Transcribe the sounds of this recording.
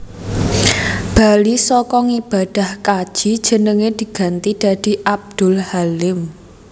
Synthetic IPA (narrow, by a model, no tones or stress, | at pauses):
b̥alisɔkɔŋib̥a̤d̪̥a̤hkad̥ʒ̥id̥ʒ̥ə̤nəŋed̪̥i̤ɡ̥a̤nt̪id̥a̤d̪̥i̤ʔab̚d̪̥ʊlhalɪm